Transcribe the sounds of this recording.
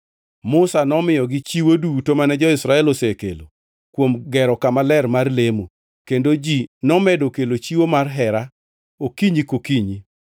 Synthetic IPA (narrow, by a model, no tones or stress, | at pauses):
mʊsanɔmɪjɔɡɪt͡ʃiwodutomanɛd͡ʒɔɪsɾaɛlɔsekelo̰ | kwomɡɛɾɔkamalɛrmarlemo | kendod͡ʒinɔmɛdokelot͡ʃiwomarɦɛɾa | okiɲikokiɲi